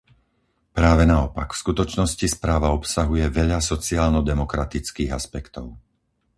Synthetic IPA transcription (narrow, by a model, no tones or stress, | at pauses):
pɾaːʋɛnaɔpa̰kfskut̪ɔt͡ʃnɔscispɾaːʋaɔpsaɦujɛʋɛʎasɔt͡siaːlnɔd̪ɛmɔkɾat̪it͡skiːɣa̰spɛkt̪ɔʊ